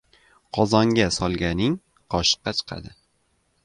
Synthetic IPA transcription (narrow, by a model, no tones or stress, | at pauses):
qʰɒzɒŋɡʲasɒlˠɡʲanɪŋ | qʰɒʃɨ̥qːɑt͡ʃʰɨ̥qʰɑ̰d̪ɪ